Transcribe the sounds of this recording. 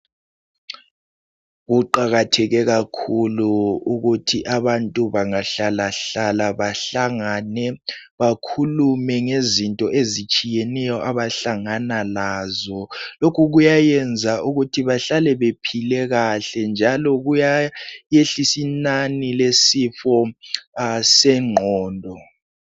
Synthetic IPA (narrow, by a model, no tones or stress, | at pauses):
ɣuǃaɣatʰɛɣɛɣakʰuluuɣutʰiʔaβantʼuβaŋaɬalaɬalaβaɬaŋanɛβakʰulumɛŋezintʼɔʔezit͡ʃʼijɛnɛjɔʔaβaɬaŋanalazɔlokʰuɣujajɛnd͡zʱaʔuɣutʰiβaɬalɛβepʰilɛɣaɬɛnd͡ʒʱalɔɣujajeɬisinanilesifɔ | sɛŋ͡ǃʱɔːndʱɔ